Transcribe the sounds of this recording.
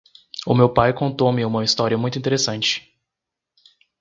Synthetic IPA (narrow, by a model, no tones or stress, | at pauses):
ʊmewpajkõnt̪owmɪũmɐist̪ɔɾiɐmũj̃t̪ʊĩt̪eɾesɐ̃nt͡ʃɪ̥